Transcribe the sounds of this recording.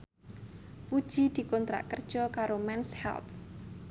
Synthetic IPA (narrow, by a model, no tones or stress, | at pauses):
pud̥ʒ̥i̤d̪̥i̤kont̪ɾa̰ʔkərd̥ʒ̥ɔkaɾomɛnshɛ̰lt̪